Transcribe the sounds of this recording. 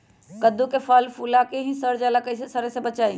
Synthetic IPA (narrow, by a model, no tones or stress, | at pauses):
kəd̪ukefʰaːlfuːlakeɦĩsəɾd͡ʒaːlakəisesɐɾesebət͡ʃaːi